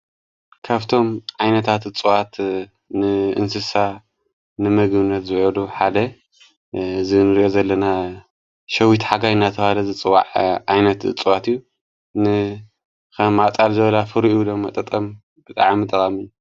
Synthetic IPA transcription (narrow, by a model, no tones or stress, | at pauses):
kʰaβt̪ʰo̞mʕajnɐt̪ʰat̪ɨt͡sʼɨwat̪ | nɨʔɨ̰nsɨsa | nɨmɐɡbɨnːɐt̪zɨʕɨd̪uħad̪ɐ | zinɨɾiʔozɐlːɐna | ʃɐwit̪ħaɡajnːat̪ʰɐβalɐzɨt͡sʼɨwa̰ʕʕajnɐt̪ɨ̰t͡sʼɨwat̪ijːu | nɨ | kʰɐmat͡sʼalzɨβɐlafɨɾʔud̪ɐmːat̪ʼɐt̪ʼɐm | b̥ɨt̪ʼa̰ʕmit̪ʼɐkʼɐmɨjːu